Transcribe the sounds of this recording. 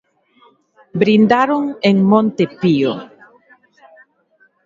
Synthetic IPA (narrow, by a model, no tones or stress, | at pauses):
bɾind̪aɾoŋeŋmõnt̪epio